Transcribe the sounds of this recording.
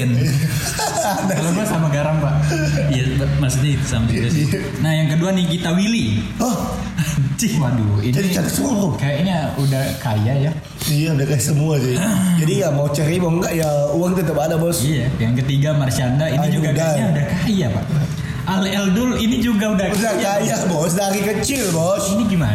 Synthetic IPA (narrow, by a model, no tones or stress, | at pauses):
n | adaalomasamaɡaɾaŋpaʔijamasuɲait̪u̥samad͡ʒiɾasi | nahjaŋkəduanikit̪awiliɔh | t͡ʃihwaduinait͡ʃatasuɾʊkajaʔɲaudahkajaja | ijaudahkajasəmuad͡ʒaad͡ʒadijamaut͡ʃəɾibɔŋɡaʔjauaŋt̪ət̪əpadabɔsijajaŋkət̪iɡamart͡ʃandainid͡ʒuɡadaajaudahkajapa̰ʔ | ʔalɛldʊlinid͡ʒuɡaudahudaajasbɔs̬daɾikət͡ʃɪlbɔsiniɡiman